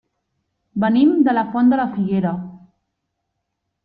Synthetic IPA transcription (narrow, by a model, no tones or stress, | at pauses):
bənimd̪ələfɔnd̪ələfiɣeɾə